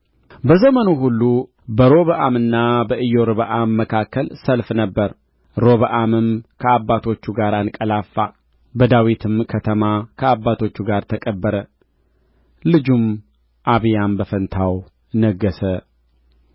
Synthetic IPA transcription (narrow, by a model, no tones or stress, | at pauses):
bəzəmənuɦulːu | bəɾo̞βəʔamɨnːabəʔɨjo̞ɾɨβəʔamːəkʰakːəlsəlfnəbːəɾ | ɾo̞βəʔamɨmkʰəabːat̪ʰo̞t͡ʃːuɡaɾankʼəlafːa | bəd̪awit̪ʰɨmkʰət̪ʰəmakʰəabːat̪ʰo̞t͡ʃːuɡaɾt̪ʰəkʼəbːəɾə | lɨd͡ʒum | ʔaβɨjambəfənt̪ʰaw | nəɡːəsə